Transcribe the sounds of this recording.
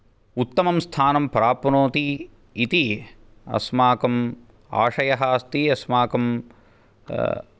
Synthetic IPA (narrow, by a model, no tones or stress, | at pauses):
ut̪ːɐmɐmst̪ʰaːnɐmpɐɾaːpɐnoːt̪iː | t̪i | ɐ̰smaːkɐm | a̰ːʂɐjɐɦaːst̪iɐsmaːkɐm